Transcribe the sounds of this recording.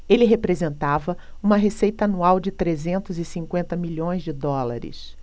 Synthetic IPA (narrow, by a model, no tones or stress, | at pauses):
elɪɦepɾezẽnt̪avɐũmɐɦesejt̪ɐanuawd͡ʒɪt̪ɾezẽnt̪ʊzɪsĩŋkwẽnt̪ɐmiʎõj̃zd͡ʒɪd̪ɔla̰ɾɪ̰s